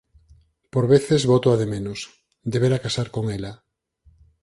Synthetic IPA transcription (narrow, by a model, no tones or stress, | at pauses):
poɾβeθezβot̪oaðemenos | d̪eβeɾakasaɾkoŋela